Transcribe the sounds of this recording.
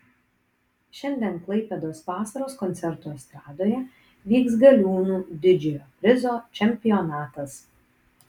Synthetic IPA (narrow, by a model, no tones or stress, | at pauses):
ʃʲɛnʲd̪ʲɛnklˠɐɪpʲeːd̪oːsʋɑːsɐɾoːskɔnʲt̪sʲɛɾt̪uːɐst̪ɾɑːd̪oːjɛ | ʋʲiːksɡɐlʲuːnuːd̪ʲɪd͡ʒʲɛjoːpʲɾʲɪzoːt͡ʃʲɛmʲpʲɪɔnɑːt̪ɐs